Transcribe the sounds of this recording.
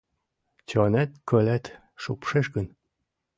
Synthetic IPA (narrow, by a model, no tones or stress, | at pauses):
t͡ɕonæt̪̚kølæt̪ | ʃupʃeʃɡə̆n